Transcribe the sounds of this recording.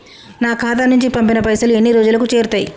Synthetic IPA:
naːkʰaːt̪̬ɐnːuɲt͡ʃipɐmpinɐpɐjsɐlue̞nːiɾoːd͡ʒulɐkut͡ʃe̞ːɾut̪ɐːjḭ

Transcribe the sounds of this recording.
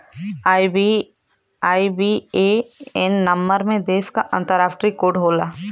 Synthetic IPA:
i | aːibieɛnːɐmːəɾmẽd̪eːfkaʔɐ̃nt̪əɾaːfʰʈɾikoːɖɦoːlaː

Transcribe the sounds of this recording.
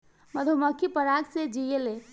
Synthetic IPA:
məd̪ʱuməkʰːipəɾaɡsed͡ʒijele

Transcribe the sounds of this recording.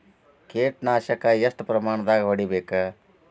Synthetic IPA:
keːʈnaːʃɐkɐjɐst̪pɾɐmaːɳɐd̪aːɡɐʋɐɽibeːkɐ

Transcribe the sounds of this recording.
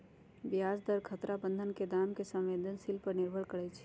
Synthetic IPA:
bijad͡ʒd̪əɾkʰət̪ɾabə̃nd̪ʱənked̪amkesə̃mʋed̪ʱənsilpəɾnɪɾbʱəɭkəɽɛt͡ʃʰ

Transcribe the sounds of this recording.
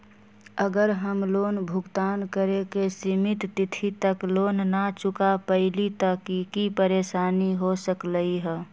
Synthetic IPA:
əɡəɾɦəmloːnbʱʊɡt̪aːnkəɾekesimɪt̪ːɪt̪ʰit̪əkloːnnat͡ʃʊkapəɪlit̪əkikipəɾeːʃaːniɦosəkləiɦɛː

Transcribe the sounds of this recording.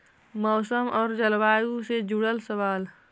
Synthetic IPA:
mɔːsəmɔːɾd͡ʒəlwaːjused͡ʒuɽəlsəwaːl

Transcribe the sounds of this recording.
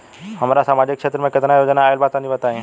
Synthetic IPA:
hɐmaːɾasaːmaːd͡ʒɪkːʃeːt̪ɾəmẽkɪt̪najoːd͡ʒnaːjəlbaːt̪ãibɐt̪aːẽ

